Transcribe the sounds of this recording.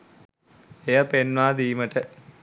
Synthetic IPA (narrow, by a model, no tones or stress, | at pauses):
ejɐpenʋaːd̪iːmɐʈə